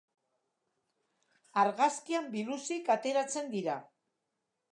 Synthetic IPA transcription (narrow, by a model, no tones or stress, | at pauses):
aɾɣaskiambilusikat̪e̞ɾat͡se̞nd̪iɾa